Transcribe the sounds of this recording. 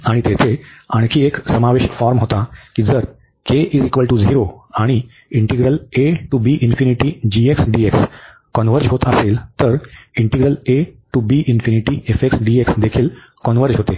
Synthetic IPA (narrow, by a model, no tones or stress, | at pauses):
aɽ̃it̪et̪ʰea̰ɽ̃kʰiːeksəmaʋeʃfaɾmɦot̪akid͡zəɾ | keʔizikʋəlʈuziɾoaɽ̃i | iɳʈiɡɾəleʈubiʔinfiniʈid͡ʑieksɖieks | kɔnʋəɾd͡ʑɦot̪əseːlt̪əɾiɳʈiɡɾəleʈubiʔinfiniʈiefeksɖieksd̪ekʰiːl | kɔnʋəɾd͡ʑɦot̪e